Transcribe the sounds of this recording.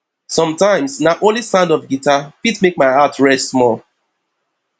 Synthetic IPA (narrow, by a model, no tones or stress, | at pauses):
sɔ̃mtãɪ̃msnaʔõnlisãndɔfɡitʰapitmek̚maɪatɹɛsmɔlˠ